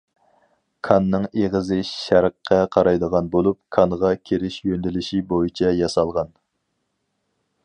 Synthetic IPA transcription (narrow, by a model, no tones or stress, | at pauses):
kʰɑnːɨŋeʁəzɪʃʃæɾqʰːɑqʰɑɾɑjd̪əʁɑnbolˠup̚kʰɑnʁɑkʲʰeɾɪʃjønd̪ɪlɪʃibojit͡ʃʰɛjɑsɑlˠʁɑn